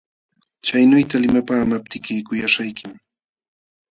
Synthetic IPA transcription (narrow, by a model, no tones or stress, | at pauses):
t͡ʃajnʊjt̪alɪmapaːmap̚t̪ɪkɪjkʊjaʃajkɪm